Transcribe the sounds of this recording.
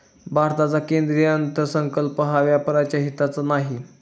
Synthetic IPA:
bʱaɾt̪at͡sakend̪ɾijənt̪əɾsəŋkəlpəɦaʋjapəɾat͡ɕjaɦit̪at͡sənaɦi

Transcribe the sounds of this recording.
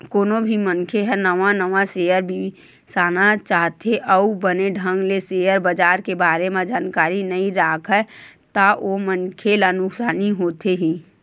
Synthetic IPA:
koːnobʱimənkʰeɦɛ̃nəʋanəʋasejəɾbi | saːnat͡ʃaːɦt̪eʔəubəneɖʱə̃ŋɡlesejəɾbəd͡ʒaːɾkebaːɾemẽd͡ʒaːnkaːɾinəĩɾaːkʰɛt̪aʔomənkʰelənʊksaːniɦoːt̪eɦĩː

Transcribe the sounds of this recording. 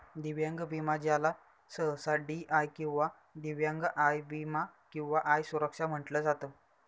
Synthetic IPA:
d̪iʋjaŋɡəbimad͡ʑala | səɦsaɖiʔajkĩw̃ʋa | d̪iʋjaŋɡʔajbimakĩw̃ʋaʔajsuɾəkʂam̤əʈləːd͡zat̪əː

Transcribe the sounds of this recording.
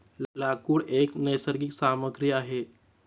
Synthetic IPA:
llakuːɽeknəjsəɾɡiksaməɡɾijaɦe

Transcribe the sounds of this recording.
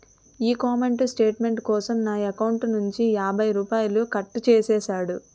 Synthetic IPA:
iːkaːmeɳʈusʈeːʈme̞ɳʈkɔːsɐmnaːjɐkɐwuɳʈnuɲt͡ʃijaːbʱɐjɾuːpaːjulukɐʈːut͡ʃɛːsɛːsaːɽu

